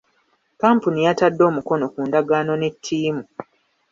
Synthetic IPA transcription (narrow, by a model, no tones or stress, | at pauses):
kaːmpunijatadːo̞ːmuko̞no̞kuːndaɡaːno̞ne̞tʰːiːmu